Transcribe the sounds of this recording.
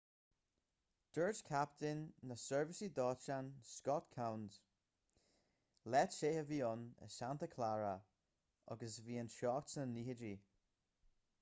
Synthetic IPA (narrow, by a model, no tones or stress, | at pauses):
d̥əɹd͡ʒkʰap̚tɪnːəsɜɹvɪsidɔːt͡ʃanskɔtkʰawnd | lɛtʃeːəviːʊnə̰santəkʰlaɹə | ʔɔ̰ɡəsviːənʃɔːktənihədi